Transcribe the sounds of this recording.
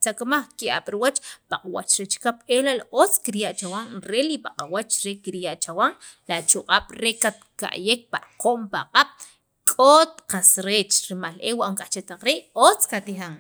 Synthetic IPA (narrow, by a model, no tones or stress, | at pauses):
t͡sakamaχkiʔa̰ɓ̥ɾiwat͡ʃpaqʼawa̰t͡ʃɾet͡ʃkapelalaʔot͡skiɾjaʔt͡ʃawaŋɾelipaqʼawat͡ʃɾekiɾjaʔt͡ʃawaŋlat͡ʃuqʼaɓ̥ɾekat̪̚ka̰ʔjek̚pa̰ʔqoʔmpaqʼaɓ̥ | kʼot̪qasɾeːt͡ʃɾimalʔewaʔŋkʼat͡ʃet̪aq͡χɾeʔot͡skat̪ixaŋ